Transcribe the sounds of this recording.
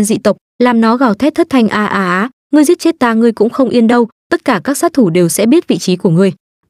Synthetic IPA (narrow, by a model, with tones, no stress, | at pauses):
nzḭ˧˨t̪ə˨˩wk͡p̚laː˨˩mnɔ˨˦ɣaː˨˧˩wt̪ʰɛ˦˥t̪̚ʰə˦˥t̚t̪ʰa˧jŋ̟ʔaː˧ʔaː˧ʔaː˨˦ | ŋɨ˧əjzət͡ɕe˦˥t̚t̪aː˧˩ŋɨ˧əjkʊ̰˧˥ŋ͡mxə˧wŋ͡mʔi˧ənɗə˧wt̪ə˦˥t̚kaː˧˩kaː˦˥k̚saː˦˥t̚t̪ʰu˧˩ɗe˨˩wsɛ̰˧˥ɓi˦˥ət̚vḭ˧˨t͡ɕi˨˦ku˧˩əŋɨ˧əj